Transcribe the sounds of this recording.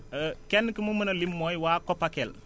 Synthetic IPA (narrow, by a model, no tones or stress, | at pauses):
əkɛnːkimumənɐlimːojwaːkopakel